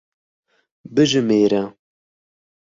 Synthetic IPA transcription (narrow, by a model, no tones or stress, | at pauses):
bɨʒɨmeːɾɛ